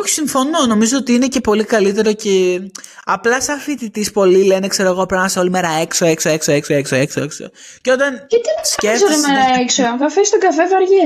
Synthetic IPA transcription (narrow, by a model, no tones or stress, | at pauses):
oçi̥siɱfo̞no̞no̞mizo̞ot̪iine̞ce̞po̞likɐlit̪e̞ɾo̞ce | ɐplɐsɐfit̪it̪ispo̞lilenekse̞ɾoɣopɾɐmɐseo̞limeɾɐeksoeksoeksoeksoeksoeksoekso̰ | co̞t̪ɐnit̪iɐscefs̬olmeɾɐeksoɣɐfest̪oɡɐfevɐɾʝe